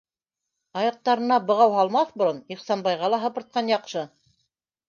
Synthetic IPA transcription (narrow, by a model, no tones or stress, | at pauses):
ɑjɑq̚t̪ɑɾɤ̆nɑbɤ̆ʁɑwɦɑlˠmɑθbŏɾoniχsɑnbɑjʁɑlˠɑɦɤ̆pɤ̆ɾt̪̚qɑnjɑqʃɤ